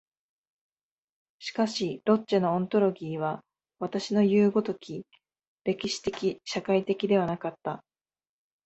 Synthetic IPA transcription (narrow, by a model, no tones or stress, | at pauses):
ɕi̥kaɕiɾo̞tt͡ɕano̞õnt̪o̞ɾo̞ɡʲiːβa | βat̪aɕino̞jɯːɡo̞t̪o̞kʲi | ɾe̞kʲiɕi̥t̪e̞kʲiɕakait̪e̞kʲid̪e̞β̞anakat̪ːa